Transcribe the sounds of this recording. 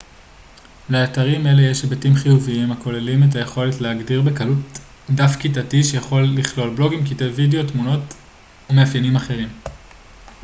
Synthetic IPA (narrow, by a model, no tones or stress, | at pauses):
leataʁime̞le̞jeʃebatimχijuviimako̞lelimet̬aje̞χo̞le̞tleaɡdiʁbe̞kalut | dafkitatiʃejaχo̞lːiχlo̞lblo̞ɡimkitevideo̞tmuno̞t | umeafjenimaχe̞ʁim